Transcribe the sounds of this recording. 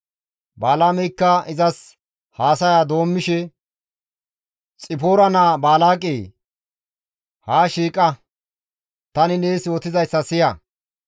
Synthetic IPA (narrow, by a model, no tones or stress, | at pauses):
baːlaːmɛjkːɐɪzɐs | haːsɐjaːd̪o̞ːmːɪʃɛ | t͡sʼɪpoːɾɐnaːbaːlaːkʼeː | haːʃiːkʼːɐ | t̪ɐnɪneːsjo̞ːt̪ɪzɐjsːɐsɪjɐ